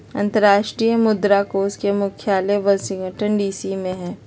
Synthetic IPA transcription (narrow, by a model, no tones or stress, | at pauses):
ɐ̃nt̪əɾaːʃʈɾiːjəmʊd̪ɾakoːskemʊkʰjaːleʋɐsɪ̃ŋɡəʈənɖiːsimẽɦɛ̃ː